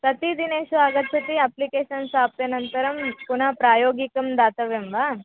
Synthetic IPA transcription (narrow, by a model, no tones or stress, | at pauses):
pɾɐt̪id̪ineːʃuaːɡɐt̪sɐt̪iɐplikeːʃɐnsaːp̚t̪enɐnt̪ɐɾɐmpunapɾaːjoːɡikɐmd̪aːt̪ɐʋemʋaː